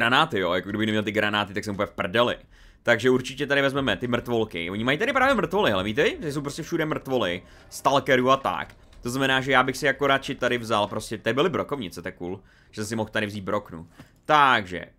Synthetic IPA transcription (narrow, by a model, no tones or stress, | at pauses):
ɾanaːt̪ɪjoːjakoɡdɪbɪxnɛmɲɛlt̪ɪɡɾanaːt̪ɪt̪aksɛmuplɲɛfpr̩dɛlɪ̰ | t̪aɡʒɛuɾt͡ʃɪcɛt̪aɾɪvɛzmɛmɛt̪ɪmr̩t̪volkɪ̰vo̞ɲɪmajit̪aɾɪpɾaːvjɛmr̩t̪vo̞lɪɦɛlɛmit̪ɛvɪt̪aɪs̬owpɾoscɛfʃudɛmr̩t̪vo̞lɪ | st̪alkɛɾuːat̪a̰k | t̪oznamɛnaːʒɛjaːbɪxsɪjako̞ɾat͡ʃɪt̪aɾɪvzalpɾo̞scɛt̪ɛbɪlɪbɾokovɲɪt͡sɛt̪ɛkuːl | ʒɛsɛsɪmoxt̪aɾɪvziːd̪̚bɾo̞knṵ | t̪aɡʒɛ̰